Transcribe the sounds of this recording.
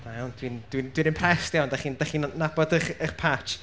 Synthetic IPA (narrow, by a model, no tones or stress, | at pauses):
najawnd̥wind̥wind̥winənpʰrɛstjawndaχiːndaχiːnnabɔdəχəχpʰat͡ʃ